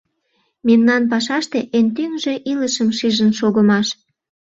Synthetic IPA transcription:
memnɑnpɑʃɑʃt̪eʔent̪yŋʒe̽ʔiləʃəmʃiʒənʃoɣəmɑʃ

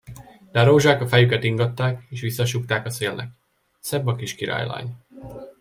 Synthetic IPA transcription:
d̪̥aɾoːʒaːkɒfɛjykɛt̪iŋɡɒt̪ːaːkeːʃʋisːɒʃuk̚t̪aːkɒseːlnʔɛ̰k | sɛbːɒkiːʃkiɾa̰ːjla̰ːɲ

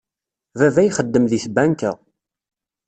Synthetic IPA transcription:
vævæjχəd̪ːəmðiθbænkə̰

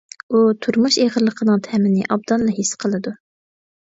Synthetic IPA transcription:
ut̪ʰuɾmuʃeʁəɾlˠəqʰənɨŋt̪ʰɛmɪnɪ̰ʔɑb̚d̪ɑnlːˠɑɦisqʰəlˠɨd̪u

